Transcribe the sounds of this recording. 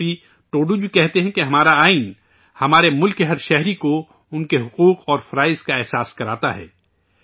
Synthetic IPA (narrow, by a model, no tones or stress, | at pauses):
i | ʈoːɖud͡ʒukɛɦt̪eɦɛ̃keɦɐmaːɾaaːɪn | hɐmaːɾemʊlkːeɦɐɾʃɛɦɾiko | ʊnkeɦʊquːqɔːɾfɐɾaːɪzkaɛɦsaːskɐɾaːt̪aɦɛ̰ː